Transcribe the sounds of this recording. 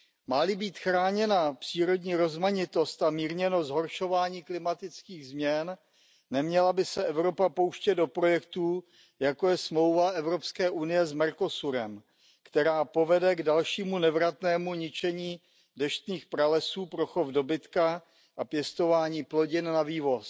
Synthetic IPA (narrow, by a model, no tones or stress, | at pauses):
malɪbiːt̪xɾaːɲɛnapr̥iːɾo̞dɲiːɾo̞zmaɲɪt̪o̞st̪amiːɾɲɛnozɦo̞ɾʃo̞vaːɲiːklɪmat̪ɪt͡skiːɣzmɲɛnː | ɛmɲɛlabɪsɛʔɛvɾo̞papo̞wʃcɛddo̞pɾo̞jɛkt̪uː | jako̞jɛsmlo̞wvaʔɛvɾo̞pskɛːʔunɪjɛzmɛɾko̞suɾɛm | kt̪ɛɾaːpo̞vɛdɛɡdalʃiːmunɛvɾat̪nɛːmuɲɪt͡ʃɛɲiː | dɛʃt̪niːxpɾalɛsuːpɾoxovdo̞bɪt̪ka | ʔapjɛst̪o̞vaːɲiːplo̞ɟɪnnaviːvo̞s